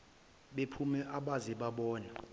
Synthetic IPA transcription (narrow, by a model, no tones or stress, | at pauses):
ɓepʰumɛʔaɓazɛɓaɓɔːna